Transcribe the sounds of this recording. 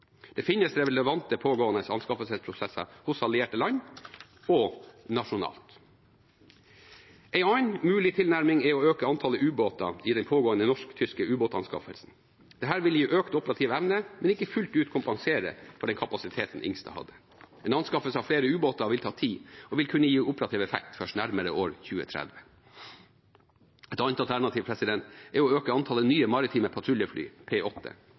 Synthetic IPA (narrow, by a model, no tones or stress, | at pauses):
d̪̥ɛfɪnːəsɾɛləʋɑnt̪əpʰoːɡoːənəsɑnskɑfəlsɛspʰɾʊsɛsɑ̰hʊsɑlɪeːʈəlɑɲ | ɔnɑʂʊnɑ̰ːlt̪ | ɛɪɑɪnmʉːlɪt̪ʰɪlnæɾmɪŋɛɪɔøːkəɑnt̪ʰɑləʔʉːboːt̪ɑ̰iːd̪ɛnpʰoːɡoːənənɔʂkt̪ʰʏskəʉːboːt̪ɑnskɑ̰fə̰lsn̩ | d̪̥ɛɦæːɾʋɪlɪjʊʔøːkt̪ɔpəɾɑt̪ʰiːʋɛʋnəmɛnɪkːəfʉlt̪ʉːt̪kʰʊmpɑŋseːɾə̰fɔɖɛnkʰɑpɑsɪt̪ʰeːt̪n̩ʔɪ̰ŋst̪ʰɑ̰ːhɑ̰d̪ːə | ɛːnɑnskɑfəlsəɑʋfleːɾəʉːboːt̪ɑʋɪlt̪ʰɑːt̪ʰiːɔʋɪlkʰʉnːəjiːʔʊpəɾɑt̪ʰiːʋɛfɛ̰k̚t̪fœʂʈnæɾməɾəʔoːɾçʉːə̰t̪ʰɾɛ̰d̪ʋə | ɛt̪ɑnt̪ɑlt̪ʰæɳɑt̪iːʋpʰɾɛsɪd̪ɛnt̪ɛʊɔøːkəɑnt̪ʰɑlənyːəmɑɾɪt̪ʰiːməpʰɑt̪ʰɾʉlɪəfly̰ːpʰeːʔɔt̪ʰːə̰